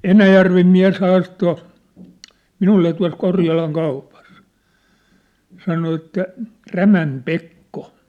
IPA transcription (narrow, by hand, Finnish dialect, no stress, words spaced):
enæjærʋem miæ̝s hɑːsto minulːe tuɑ̝s korjɑlɑŋ kɑupɑs sɑno etːæ ræmæm pekːo